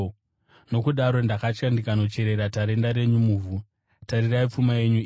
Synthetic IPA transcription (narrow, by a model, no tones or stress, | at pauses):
no̞kuɗaɾo̞ndakat͡ʃkandikano̞t͡ʃe̞ɾe̞ɾataɾe̞ndaɾe̞ɲumuːvʱu | tariraip͡fumae̞ɲu